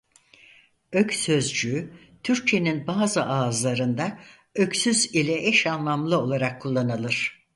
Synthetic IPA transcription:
øcʲsø̞zd͡ʒyː | t̪ʰyɾc̚t͡ʃʰe̞ninbaːzɯʔaːzlˠaɾɯnd̪a | øcsyzilʲɛʔɛʃanlˠamlˠɯo̞lˠaɾakʰːulˠːanalˠɯɾ̥

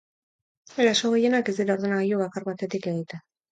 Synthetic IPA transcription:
eɾasoɣe̞je̞nakezd̪iɾao̞ɾðunaɣejoβakarβat̪e̞t̪ike̞ɣ̞it̪e

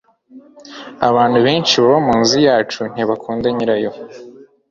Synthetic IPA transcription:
aβaːn̥huβeːnt͡ʃiβaβamuːnzijaːt͡ʃun̥iβakʰuːndaɲiɾajo̞

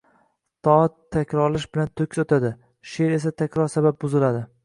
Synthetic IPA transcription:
t̪ɒt̪ʰːakʲɾɒɾlɪʃbɪlant̪ʰok̪ʲʰɒt̪ʰad̪ɪ | ʃeɾe̞s̬at̪ʰakʲɾɒɾsabap̚bʊzɪlad̪ɪ

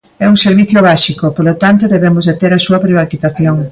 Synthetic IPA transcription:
ɛuŋseɾβiθjoβaʃikopolot̪ant̪oðeβemʊzðet̪eɾasuɐpɾeβakit̪aθjoŋ

